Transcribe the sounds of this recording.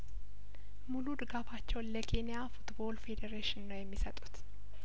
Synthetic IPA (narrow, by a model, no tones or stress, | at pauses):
mulud̪ɨɡafat͡ʃːɛwnləkʰe̞nijafut̪bo̞lfe̞d̪eɾeʃɪnnəwjɛmːisət̪ʼu̥t̪